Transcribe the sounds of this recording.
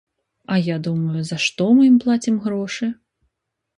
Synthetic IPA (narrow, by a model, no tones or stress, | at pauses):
ɐjad̪umɐjuzɐʂt̪ɔmɨjimplˠat͡sʲimɣɾɔʂɨ